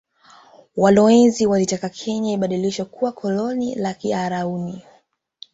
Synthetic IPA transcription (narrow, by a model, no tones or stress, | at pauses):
walɔɛnziwalitakakʰɛɲaiɓaɗiliʃakuwakʰɔlɔnilakiaɾauni